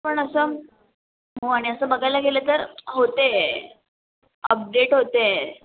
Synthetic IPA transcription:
pəɳəsəː | ɦoaɽ̃iəsəːbəɡʱajlaɡelet̪əɾɦot̪e | ə̰p̚ɖeʈɦot̪e

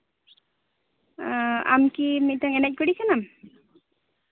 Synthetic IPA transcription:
a̰mkimic̪̚dɔŋɛnɛc̚ˀkuɽikanam

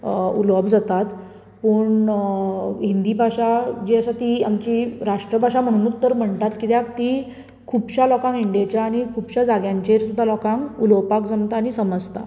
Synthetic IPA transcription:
ṵləbd͡zat̪at̪ | pəɳ | ɦind̪iːbʱaɕad͡ʑeəsat̪ia̰mt͡ɕiɾaʂʈɾəbaɕam̤əɽ̃unuːt̪ːəɾm̤əɳt̪at̪kit̪jakt̪i | kʰubɕalɔkãŋiɳɖijat͡ɕjaːɽ̃ikʰubɕad͡zaɡjãɲt͡ɕeɾsud̪ʱːalɔkãŋkuləwpakd͡zənt̪aːɽ̃isəməd͡zt̪a̰

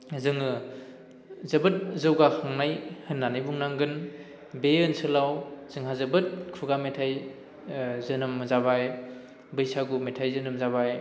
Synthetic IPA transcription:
zɯŋɯ | zɐbɯt̚zɯwɡahʰaŋnajhɯnːanɯjbuŋnaŋɡɯn | beɯnsɯlawz̥ɯŋɦazɐbɯt̚kʰuɡametʰaj | zɯnɯmzabaj | bɯjsaɡumetʰajzɯnɯmzabaj

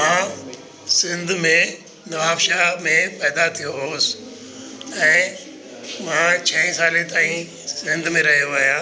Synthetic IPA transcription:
mã | sɪ̃nd̪ʱmẽ | nɐʋaːpʃamẽpɛːd̪at̪ʰijoɦoːs | ɛ̃ː | mãt͡ɕʰɐĩsaːlẽt̪aːĩ | sɪ̃nd̪ʱmẽɾɐɦijoaːɦijaː

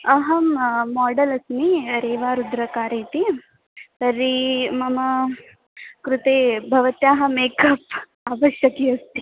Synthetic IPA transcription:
ɐɦɐmːaːɖɐlɐsmiɾeːʋaːɾud̪ɾɐkaːɾeːt̪i | sɐɾːimɐmɐ | kɾut̪eːbʱɐʋɐt̪jaːɦɐmeːkɐp̚ | aʋɐʃjɐkiɐst̪i̥

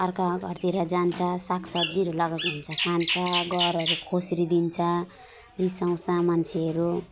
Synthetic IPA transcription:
ʌrkaɡʱʌrt̪iɾad͡zant͡sʰʌsaksʌd͡ziɾolʌɡʌkunt͡sʰʌkʰant͡sʰʌɡʌɾʌɾukʰosɾid̪int͡sʰʌ | risaw̃samant͡sʰeʌɾu

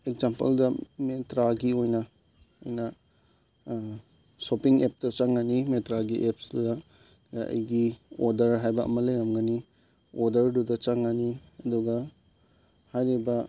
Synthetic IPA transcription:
ekzampɐ̰ldɐmetɾaɡiojnɐ | ɐ̰jnɐ | sopiŋep̚dɐt͡ʃaŋːanimetɾaɡiʔepsdudɐ | jaʔɐ̰jɡiodɐɾɦajbɐɐ̰mɐlɐjɾɐmɡani | oɾdɐɾdudɐt͡ʃaŋaniɐduɡɐ | hajɾibɐ

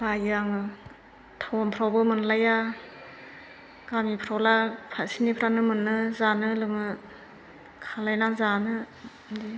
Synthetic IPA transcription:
bajɯaŋɯ | tʰawɔmpʰɾawbɯmɯnlaja | ɡ̥amipʰɾawlapʰasinipʰɾanɯmɯnːɯzanɯlɯŋɯ | kʰalajnazanɯ | di

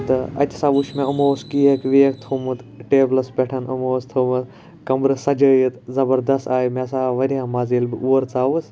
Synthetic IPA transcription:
t̪ɐɐ̰t͡ʃsaːʋuʃmẽɐmoːskiːɐkʋiːɐkt̪ʰumut̪ʈeːblɐsbeʈʰɐnɐmoːst̪ʰoːmɨt̪ | kɐmbɾɨsɐd͡ʒəjit̪zɐbɐɾd̪ɐst̪aːjimesaːʋɐɾijãːmaːziːlbɨʔuːɐɾt͡saːʋus

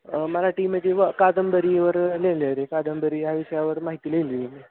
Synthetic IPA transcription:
məlaʈiːmet̪eʋəkad̪əmbəɾiʋəɾleləɾekad̪əmbəɾiːɦjaʋisəjaʋəɾmaɦit̪iːlelini

